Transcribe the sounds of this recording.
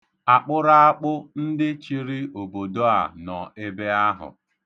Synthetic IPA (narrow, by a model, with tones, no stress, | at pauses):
a˨k͡pʊ˦ɾa˦a˦k͡pʊ˦n̩˦dɪ˦t͡ʃi˦ɾi˦o˨bo˨do˦a˨nɔ˨e˦be˦a˦ɦʊ̰˨